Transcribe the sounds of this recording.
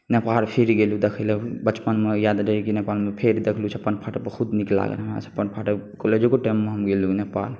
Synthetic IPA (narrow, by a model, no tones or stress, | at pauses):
nepaɾpʰeɾiɡelud̪ekʰelebət͡ʃpənmejad̪ɾeikinepaːlmepʰeɾid̪ekʰlut͡ʃʰɛpəɳpʰaʈəpəxʰud̪nikla̰ɡḛma̰t͡ʃʰpənpʰaʈekoled͡ʒoɡoʈɛmːeɦəmɡelunepa̰l